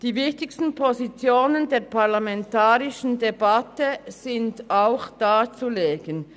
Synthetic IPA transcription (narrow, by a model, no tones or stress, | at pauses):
d̥iːvɪçtɪçstn̩pʰozit͡sjoːnəndeːɐpʰaɐlamɛntaːʁɪʃn̩debatəz̥ɪndaʊxd̥aːt͡suleːɡən